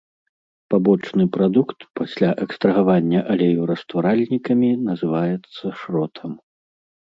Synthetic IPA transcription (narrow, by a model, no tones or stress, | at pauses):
pabɔt͡ʂnɨpɾad̪ukt̪pasʲlʲaʔɛkst̪ɾɐɣavanʲːɐʔɐlʲɛjuɾɐst̪vaɾalʲnʲikɐmʲinɐzɨvajɛt̪sːɐʂɾɔt̪ʰɐm